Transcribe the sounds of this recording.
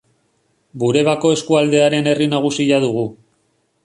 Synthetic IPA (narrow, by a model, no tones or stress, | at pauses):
buɾe̞β̞ako̞e̞skuald̪e̞aɾe̞ne̞rinaɣ̞usiʎað̞uɣ̞u